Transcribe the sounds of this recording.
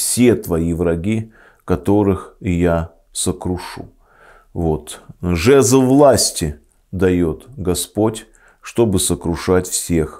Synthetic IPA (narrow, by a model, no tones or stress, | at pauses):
fsʲe̞t̪vɐivɾɐɡʲi | kɐt̪o̞ɾɨxja | səkɾʊʂṵ | vo̞t̪ʐɛzəvlˠasʲtʲɪ | d̪ɐjo̞t̪ɡɐspotʲ | ʂt̪o̞bɨsəkɾʊʂatʲfsʲe̞x